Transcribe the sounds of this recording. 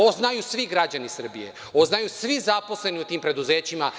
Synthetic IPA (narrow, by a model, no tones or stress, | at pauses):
oznajusʋiɡɾad͡ʑanisr̩bijḛ | oznajusʋizapo̞sle̞niut̪iːmpɾed̪uze̞ːt͡ɕima